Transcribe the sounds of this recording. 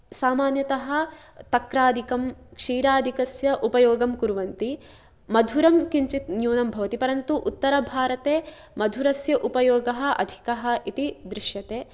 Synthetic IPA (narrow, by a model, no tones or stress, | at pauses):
saːmaːnjɐt̪ɐɦɐ̆t̪ɐkɾaːd̪ʱikɐmkʂiːɾaːd̪ʱikɐsjɐʔupɐjoːɡɐmkuɾʋɐnt̪i | mɐd̪ʱuɾɐmkiɲt͡ʃit̪njuːnɐmbʱɐʋɐt̪ipɐɾɐnt̪uʔut̪ːɐɾɐbʱaːɾɐt̪eː | mɐd̪ʱuɾɐsjɐʔupɐjɔːɡɐɦɐ̆ʔɐ̰d̪ʱi̥kɐɦɐ̆ʔit̪id̪ɾɪʃjɐt̪eː